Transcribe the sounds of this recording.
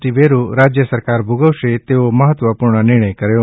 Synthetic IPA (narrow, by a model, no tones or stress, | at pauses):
ʈiʋeɾuɾad͡ʒjəsəɾkaɾbʱuɡəʋʃet̪eoməɦət̪ʋəpuːɾɳ̃ənɪɾɽ̃əjkəɾjo